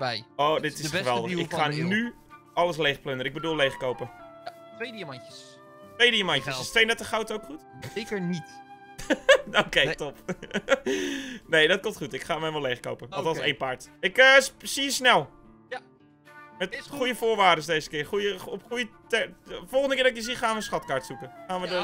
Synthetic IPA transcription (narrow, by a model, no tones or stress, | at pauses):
bɛjoːdɪtɪsəʋɛlˠdəɪkχaːnny | ʔɑləs̬lejxpløndəɾəɪɡ̚bədulˠlejχkowpətʋejdiəmɑnəs | tʋejdiəmantjəsstʋejndɛtəχawtowkχutekəɹnit | okejtop | nejdɔt̚komtχutɪkχaːmɛʋɔlejχko̰wpəɔlˠdɑsḛjnpaɹtɪkəssiəsnɛlˠ | mɛtχujəfoːɹʋaːdəsdejzə̥kɪːrχujəɔpχujətɛfɔlˠχəndəkɪːrdɔɪkjəsiχaːnʋəsχɔtkaɹtsukəχaːnʋədə